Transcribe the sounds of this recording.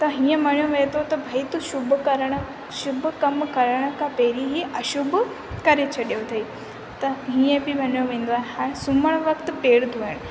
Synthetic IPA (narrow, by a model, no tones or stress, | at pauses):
t̪ɐɦĩjẽmɐɳjoʋet̪ot̪ɐbʱɐit̪uʃubʱkəɾɽ̃ | ʃubʱkɐmkɐɾɽ̃əkapeːɾiɦiʔɐʃubʱ | kɐɾet͡ɕʰɐɗjot̪ʰɐi | t̪ɐɦĩjẽbʱibʱɐnjoʋẽːn̆d̪oaːɦehasuməɽ̃ʋɐkt̪peːɽt̪ʰuʋeɽ̃